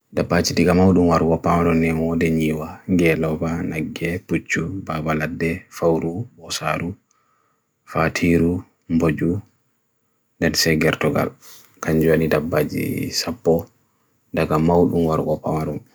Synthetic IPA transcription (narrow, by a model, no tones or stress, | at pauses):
dabːad͡ʒidiɡamawɗumwaɾkɔpawaɾɔnɛɔdɛɲiwaŋɡɛlɔvanaɡːɛput͡ʃːubaːbaladːɛfawɾubɔsaːɾu | fatʰiːɾu | mbod͡ʒu | ndɛnsɛɡɛɾtɔɡa̰l | kaɲd͡ʒanidabːaːd͡ʒḭsapːɔ | daɡamawɗumwaɾʔɔpawaɗɔn